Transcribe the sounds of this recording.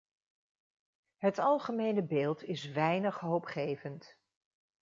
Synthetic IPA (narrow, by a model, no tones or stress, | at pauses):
ɦətɑlˠχəmejnəbeːlˠtɪsʋɛjnəχɦowpχejvənt